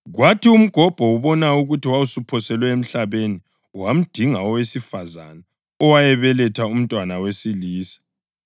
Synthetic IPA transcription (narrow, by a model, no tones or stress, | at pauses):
ɣwatʰium̩ɡ̥ʱɔb̥ʱɔuβɔnauɣutiwausupʰɔsɛlwɛem̩ɬaβeni | wam̩d̥ʱiŋaɔwesifaza̰na | ɔwajɛβɛlɛtʰaum̩tʼwanawesiliːsḁ